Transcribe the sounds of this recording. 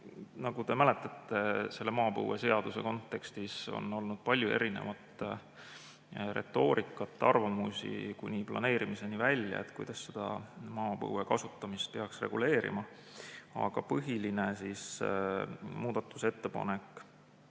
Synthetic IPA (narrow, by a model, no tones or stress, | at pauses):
nɑɡ̥ud̪e̞mæle̞t̪ːˑɑt̪ːe̞se̞lːemɑːpɤ̰wese̞ɑd̪use̞ko̞nt̪ːˑe̞kst̪iso̞̰no̞lnud̪̥̚pɑlʲjue̞̰ɾine̞̰vɑt̪ | re̞̰t̪ːˑo̞ːɾʔikːˑɑt̪ˑːɑrvɑmusʲḭkunʲiplɑ̰ne̞ːɾimise̞nivælʲːjɑ̰et̪kujd̪̥ɑsːe̞d̪̥ɑ̰mɑːpɤ̰wekɑsut̪ːˑɑmist̪̚pe̞ɑksre̞̰ɡ̥ule̞ːɾḭmɑ | ɑ̰ɡ̥ɑpɤɦiline̞sis | muːd̪̥ɑt̪ːˑu̥se̞t̪ːe̞pɑ̰ne̞k